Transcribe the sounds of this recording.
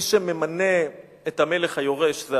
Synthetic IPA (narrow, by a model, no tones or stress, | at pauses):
ʃememane | ethame̞le̞χhajo̞ʁeʃze